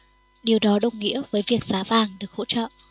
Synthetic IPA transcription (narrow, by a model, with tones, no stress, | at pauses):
ɗi˨˩əwɗɔ˨˦ɗə˧˩wŋ͡mŋḭ˧˥əvəː˨˦jvi˨˩ək̚z̥aː˨˦vaː˨˩ŋɗɨ˨˩ək̚ho̰˧˥t͡ɕɔ̰˧˨ʔ